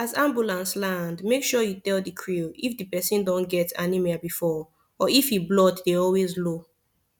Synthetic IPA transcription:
azãmbjulãnslãndmekʃɔjutɛldikʰɹilifdɨpɛsĩndɔ̃nɡɛtanimɛabifɔ | ɔifiblɔtdeɔlwezlo

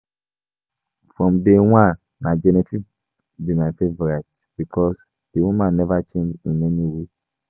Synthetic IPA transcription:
fɹɔ̃mdewãn | mad͡ʒɛnitʰi | bimaɪfevɔɹɛt | b̥ikʰɔs | d̥ewũmãnːɛvat͡ʃẽnd͡ʒĩnɛniwe

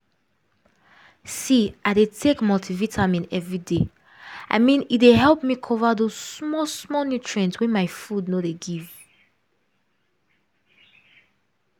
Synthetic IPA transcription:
siʔaɪdetʰekmɔltʰivitʰamĩnɛvɹide | ʔa̰ɪmĩnit̚deɦɛlˠpmikʰɔvaðosmɔsmɔnutɹɛ̃ntwɛ̃nmaɪfudnodeɡiv̥

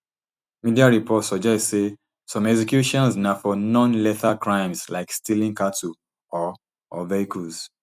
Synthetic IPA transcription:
midiaɹipʰɔtsɔd͡ʒɛtse | sɔ̃mɛksɛkjuʃɔ̃nsnafɔnɔ̃nlɛtakɹãɪ̃mslaɪkstilĩŋkatʰu | ɔ | ɔvɛikus

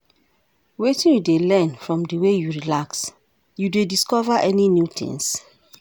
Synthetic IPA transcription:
wetĩnjudelɛ̃nfɹɔ̃mdəwejuɹilaks | judediskɔvaʔɛninjut̪ʰḭ̃ŋs

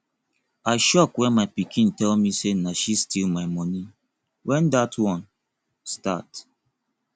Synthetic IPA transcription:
aɪʃɔkwɛ̃nmaɪpikʰĩntɛlmisenaʃistilmaɪmɔni | wʔɛ̃ndatʰwɔ̃n | sta̰t

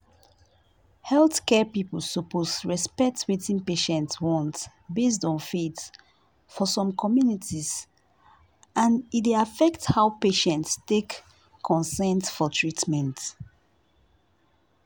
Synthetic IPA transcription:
hɛlθkɛpipəl̩sopʰosɹɛspɛk̚twetĩnpeʃɛ̃ntswɔ̃nt | bes̬tɔ̃nfet | fɔsɔ̃mkʰɔmjunitiz | ʔãnideafɛkthaʊpeʃɛ̃ntstekʰː | ɔ̃nsɛ̃ntfɔtʰɹitmɛ̃nt

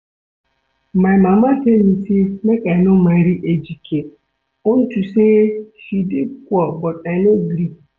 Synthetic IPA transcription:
mamamafemisimekanomaɾiʔed͡ʒikʰe | ʊn̩tuseʃidikʷɔbɔtanoɡɾi

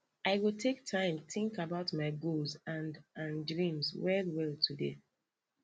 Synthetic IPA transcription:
aɪwitʰek̚tʰãɪ̃mtĩŋkabaʊtmaɪɡozãndãndɹĩmzwɛlwɛltʰudḛ

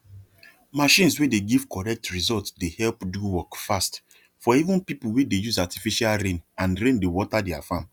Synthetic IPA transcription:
maʃĩnswedeɡiv̥kɔɹɛk̚tɹizɔltsdehɛlpduwɔkfast | fɔivũnpipulwedejuzatifiʃalɾẽnãnɾẽndewɔtadɛafãm

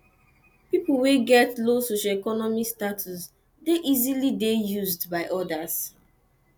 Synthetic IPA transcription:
pipolweɡɛtlosoʃaekɔnɔmistatʰus | deʔizilidejuzdbaɪʔɔdas

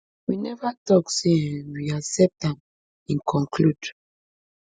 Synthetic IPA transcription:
winɛvatɔkseɛ̃nwiasɛp̚tãm | ɛ̃nkʰɔ̃ŋkʰlud

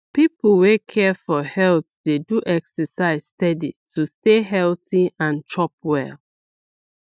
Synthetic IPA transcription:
pipl̩wekʰɛfɔhɛltdeduʔɛksəsaɪz̥stɛditʰusteɦɛltiãnt͡ʃɔp̚wɛ̰l

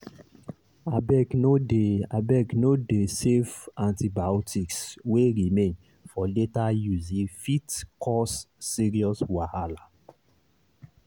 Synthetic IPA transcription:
abɛknodeabɛknodesevãntibaɔtʰiksweɾimẽn | fɔletajuzĩfitkʰɔsːiɾiɔswahala

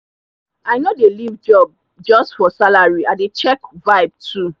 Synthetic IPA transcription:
aɪnodelivd͡ʒɔb̚ | d͡ʒɔstfɔsalaɹiadet͡ʃɛkvaɪb̚tʰu

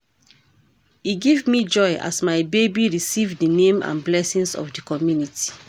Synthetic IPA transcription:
iɡivmid͡ʒɔɪa̰smaɪbebiɹisivdənẽmã̰nblɛsĩnsɔ̰fdikɔmjunitʰi̥

